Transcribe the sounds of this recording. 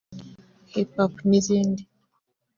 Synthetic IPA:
hipakunizindi

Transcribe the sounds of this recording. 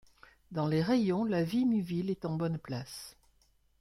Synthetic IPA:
d̪ɑ̃leʁejɔ̃lavimyvilɛt̪ɑ̃bɔnplas

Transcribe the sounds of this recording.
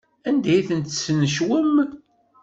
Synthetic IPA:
ænd̪æjθənt̪snəʃwəm

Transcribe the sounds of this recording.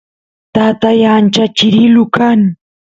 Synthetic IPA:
t̪at̪ajaːnt͡ʃat͡ʃɪɾɪlʊkaŋ

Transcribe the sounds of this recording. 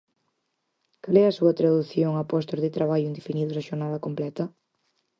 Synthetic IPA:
kalɛɐsuɐt̪ɾaðuθjoŋapɔst̪oɾðɪt̪ɾaβ̞aʎʊind̪efiniðʊzaʃoɾnaðɐkomplɛt̪ɐ

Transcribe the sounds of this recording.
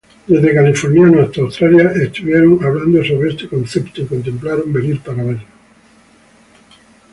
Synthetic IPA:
d̪e̞zðekalifoɾnjanoest̪awst̪ɾaljaʔest̪uβjeɾoŋaβland̪osoβɾeest̪ekõ̞nθept̪oko̞nt̪̬ẽ̞mplaɾombeniɾpaɾaβel

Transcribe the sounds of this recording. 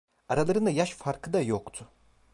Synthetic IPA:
aɾalˠaɾɯnajaʃfaɾkʰɯd̪ajokt̪ʰʊ

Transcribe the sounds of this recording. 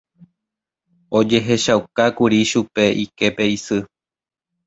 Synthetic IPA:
o̞d͡ʒe̞ɦe̞ʃawkakuɾiʃupe̞ʔike̞pe̞isɨ

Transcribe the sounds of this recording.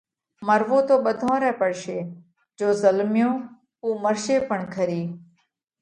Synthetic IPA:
məɾʋõːt̪oːɓəd̪ʱõːɾɛːpəɽʃeː | d͡ʒoːzəlmjõː | uːməɾʃeːpəɳkʰəɾiː

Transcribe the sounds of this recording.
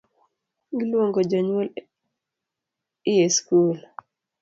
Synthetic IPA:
ɡilwoŋɡod͡ʒɔɲol | ɪjeskul

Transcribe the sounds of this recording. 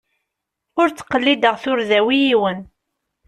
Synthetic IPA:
ʊɾt͡sːə̥qːəlːid̪əʁθʊɾðæwijiwən

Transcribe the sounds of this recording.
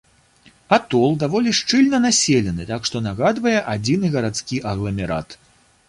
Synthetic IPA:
at̪ɔlˠd̪avɔlʲiʂt͡ʂɨlʲnɐnasʲelʲɛnɨt̪akʂt̪ɔnaɣad̪vɐjɛʔad͡zʲinɨɣɐɾat̪skʲiʔɐɣlˠɐmʲɛɾa̰t̪

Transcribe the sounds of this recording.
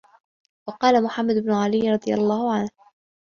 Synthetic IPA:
wɑqɑːlamʊħamːad̪ʊbnʊʕalɪjːɾˤɑd̪ˤɨja̰lˤːɑːhʊʕanh

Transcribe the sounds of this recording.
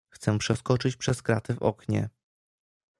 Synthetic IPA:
xt̪sɛpʂɛskɔt͡ʂɘt͡ɕpʂɛskɾat̪ɘvɔ̰kɲɛ̰

